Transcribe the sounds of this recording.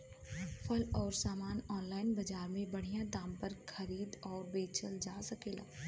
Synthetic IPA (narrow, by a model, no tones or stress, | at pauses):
fʰɐlɔːɾsaːmaːnɔːnlaːɪnbɐd͡ʒaːɾmẽbɐɽ̤ijãd̪ãːmpɐɾxʰɐɾiːd̪ɔːɾbeːt͡ʃəld͡ʒaːsɐkeːla̰ː